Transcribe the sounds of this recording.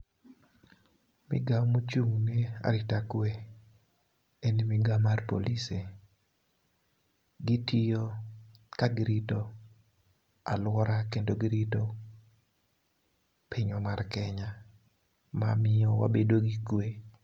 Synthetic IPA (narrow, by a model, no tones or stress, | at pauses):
mɪ̰ɡamut͡ʃuŋnea̰ɾitakwe | enimɪɡamarpo̰lise | ɡitijokaɡiɾitɔ | a̰lwɔɾakendoɡiɾito | pʰiɲɔmarkɛɲa | mamɪɔwa̰bedoɡikwe